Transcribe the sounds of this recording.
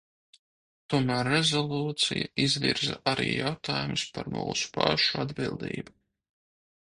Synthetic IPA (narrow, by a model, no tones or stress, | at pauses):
t̪uɔmæːɾːezolˠuːt̪sijaizviɾza̰ʔaɾḭːjawt̪aːjumuspaɾmṵːsu̥paʃuad̪bilˠd̪ḭːbu